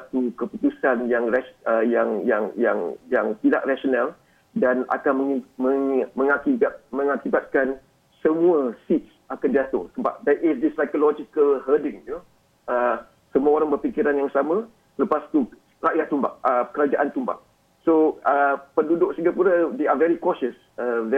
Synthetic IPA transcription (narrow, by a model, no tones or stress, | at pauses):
sat̪ukəput̪usanjaŋraəjaŋjaŋja̰ŋjaŋpida̰ʔraʃonal | dana̰kanməŋiməŋməŋakiat̪̚mə̃ŋakibat̪̚kan | səmũəsits | akandiat̪ṵŋsəba̰p̚d̪ɛʔɪsd̪isajkolɔd͡ʒikəlhədɪ̃ŋu | ə | səmuaoɾaŋbərfikiɾanjaŋsamə̃ | ləpast̪u | raʔjat̪ːumba̰ʔəkəɾad͡ʒaʔant̪umba̰ʔ̚ | soəpəndudʊk̚siŋɡapuɾad̪eavɛɾikɔʃəs | əvɛ